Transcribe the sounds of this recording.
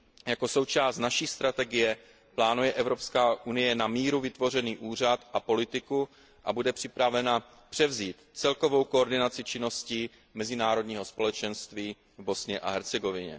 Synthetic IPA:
jako̞so̞wt͡ʃaːst̪naʃiːst̪ɾat̪ɛɡɪjɛ | plaːnujɛʔɛvɾo̞pskaːʔunɪjɛnamiːɾuvɪt̪vo̞r̝ɛniːʔuːr̝at̪ʔapo̞lɪt̪ɪku | ʔabudɛpr̥ɪpɾavɛna | pr̥ɛvziːt̪t͡sɛlko̞vo̞wko̞ːɾdɪnat͡sɪt͡ʃɪno̞sciː | mɛzɪnaːɾo̞dɲiːɦo̞spo̞lɛt͡ʃɛnst̪viː | vbo̞sɲɛʔa̰ɦɛɾt͡sɛɡo̞vɪɲɛ̰

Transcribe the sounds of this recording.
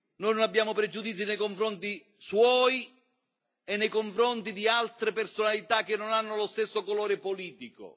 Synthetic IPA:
nɔjnonabːjaːmʊpɾɛd͡ʒud̪it̪sːinejkoɱfɾɔnt̪i | swɔːj | ɛnːejkoɱfɾɔnt̪id̪ialt̪ɾɪpersonalit̪ak̟ːenːonanːʊlost̪esːokɔlɔːɾɪpoliːt̪ikʊ̰

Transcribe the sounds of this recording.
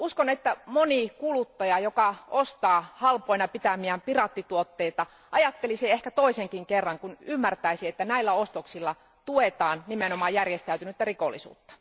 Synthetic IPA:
uskonet̪ːæmonikulut̪ːɑjɑjokɑost̪ɑːhɑlpoinɑpit̪æmiæmpirɑt̪ːit̪uot̪ːeit̪ɑ | ʔɑjɑt̪ːeliseehkæt̪oiseŋkiŋkerːɑŋkunymːært̪æisiet̪ːænæilːæost̪oksilːɑ | t̪uet̪ɑːnnimenomɑːjærjest̪æyt̪ynyt̪ːærikolːḭsṵːt̪ːɑ̥

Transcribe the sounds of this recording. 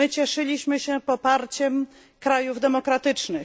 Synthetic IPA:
ɘt͡ɕɛʂɘlʲiɕmɘɕɛpɔpaɾt͡ɕɛm | kɾajuvd̪ɛmɔkɾat̪ɘt͡ʂnɘ

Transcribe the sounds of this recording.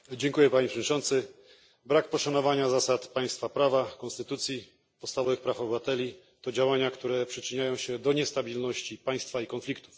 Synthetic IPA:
d͡ʑɛŋkujɛpaɲipʂɛd͡ʑʲt͡ʂɔ̃nt̪sɘ | bɾak̚pɔʂanɔvaɲazasat̪paj̃st̪fapɾavakɔnst̪ɘt̪ut̪sʲji | pɔt̪st̪avɔvɘxpɾafɔbɘvat̪ɛlʲi | t̪ɔd͡ʑawaɲakt̪uɾɛpʂɘt͡ʂɘɲajɔ̃w̃ɕɛd̪ɔɲɛst̪abʲilnɔɕt͡ɕipaj̃st̪faikɔnflʲikt̪u̥f

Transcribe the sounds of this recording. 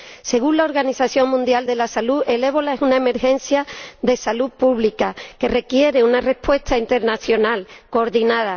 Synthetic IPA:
se̞ɣunlao̞ɾɣaniθaθjo̞ŋmũnd̪jald̪e̞lasaluʔele̞β̞o̞laesunaeme̞ɾxẽ̞n̟θjaðe̞salupuβlikake̞re̞kje̞ɾe̞unare̞spwe̞st̪aint̪e̞ɾnaθjo̞nalko̞ːɾðinaða

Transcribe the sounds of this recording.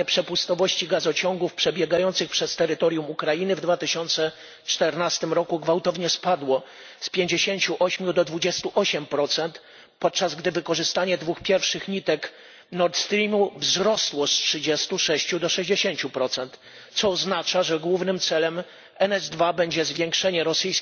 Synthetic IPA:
ɛpʂɛpust̪ɔvɔɕt͡ɕiɡazɔt͡ɕɔŋɡufpʂɛbʲjɛɡajɔnt̪sɘxpʂɛst̪ɛɾɘt̪ɔɾjumukɾajinɘvd̪vat̪ɘɕɔnt̪sɛ | t͡ʂt̪ɛɾnast̪ɘmɾɔkuɡvawt̪ɔvɲɛspad̪wɔ | spʲjeɲd͡ʑeɕeɲt͡ɕuʔɔɕmʲjud̪ɔd̪vud͡ʑɛst̪uʔɔɕɛmpɾɔt̪sɛnt̪ | pɔt̪̚t͡ʂazɡd̪ɘvɘkɔʐɘst̪aɲɛd̪vuxpʲjɛɾfʂɘxɲit̪ɛk | nɔɾt̪st̪ɾʲimuvzɾɔswɔstʂɘd͡ʑɛst̪uʂɛɕt͡ɕud̪ɔʂɛʑd͡ʑeɕeɲt͡ɕupɾɔt̪sɛnt̪ | t̪sɔːznat͡ʂaʐɛɡwuvnɘmt̪sɛlɛm | ɛnɛzd̪vabɛɲd͡ʑɛzvʲjeŋkʂɛɲɛɾɔsɘjs

